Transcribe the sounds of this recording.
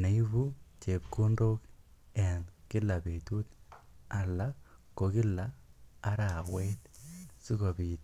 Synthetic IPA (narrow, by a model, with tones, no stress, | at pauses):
na˨i˦βu˦t͡ʃe˨p̚ku˦ndo˦kɛ˨nkɪ˦la˨be˨tu˦ta˨la˦ko˨˧kɪ˦lːaː˨˦ɾa˨wetsi˦ko˨biː˨t